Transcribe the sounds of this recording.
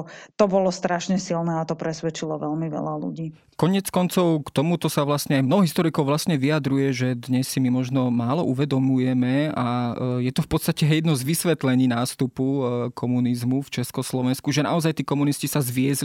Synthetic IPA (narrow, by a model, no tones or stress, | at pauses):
t̪ɔbɔlɔst̪ɾaʃɲɛsilnɛːat̪ɔpɾɛsʋɛt͡ʃilɔʋɛlmiʋɛ̰lalṵɟiː | kɔɲɪɛt͡skɔnt͡sɔʊkt̪ɔmut̪ɔsaʋlasɲɛajmnɔɦɔɦist̪ɔɾikɔʊʋlasɲɛʋijad̪ɾujɛʒɛd̪ɲɛsːimimɔʒnɔmaːlɔʔuʋɛd̪ɔmujɛmɛajɛt̪ɔfpɔt̪st̪acɛɦɛjɛd̪nɔzʋisʋɛt̪lɛɲiːnaːst̪upukʰɔmunizmuft͡ʃɛskɔslɔʋɛnskuʒɛna̰ɔzajt̪iːkɔmuniscisazʋɪɛzl